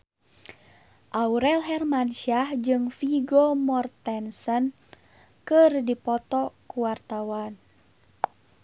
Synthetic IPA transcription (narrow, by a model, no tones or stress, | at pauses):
ʔauɾɛlɦɛrmanʃiahd͡ʒɨŋfiɡɔmɔrt̪ɛnsən | kɨrdipɔt̪ɔkuwart̪awan